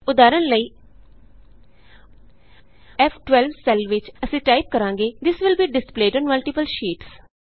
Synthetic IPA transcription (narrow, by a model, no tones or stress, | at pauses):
ʊd̪aːɾənləiː | ɛfʰʈʋɛlbsɛlʋɪt͡ʃəsĩːʈaːɪp̚kəɾãːŋɡeːd̪ɪsʋɪlbiːɖɪspleːɖɔ̃ːnməlʈɪpəlʃiːʈs